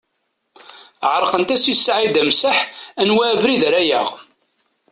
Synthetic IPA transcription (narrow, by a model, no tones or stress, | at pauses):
ʕəɾˤqənt̪æsisːʕid̪æmsaħænwæːvɾiðɾæjə̰ʁ